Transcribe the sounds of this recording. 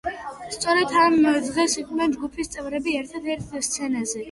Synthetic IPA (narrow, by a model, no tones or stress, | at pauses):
st̪sʼɔɾɛt̪ʰamd̪ʁɛsinɛnd͡ʒɡupʰist̪sʼɛvɾɛbiɛɾt̪ʰat̪ʰɛɾt̪ʰst̪sʰɛnazɛ